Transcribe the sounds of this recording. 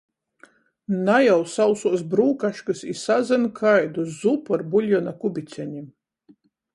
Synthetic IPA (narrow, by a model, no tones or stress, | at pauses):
najawsawsuɔsbɾuːkaʃkɨsisazʲɛnkʰajd̪uzupɔɾbulʲjɔnakubʲit̪sʲɛɲʲim